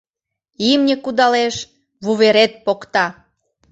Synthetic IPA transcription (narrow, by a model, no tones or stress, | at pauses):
imnʲekud̪ɑleʃ | βuβeɾet̪̚pokt̪ɑ